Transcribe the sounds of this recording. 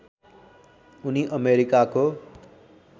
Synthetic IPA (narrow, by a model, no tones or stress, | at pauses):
uniʔʌmeɾikako